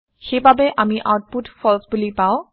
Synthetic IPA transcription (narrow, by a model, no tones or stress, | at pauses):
xejbabɛʔamiʔaʊt̚putfʰɔlsbulipaʊ̃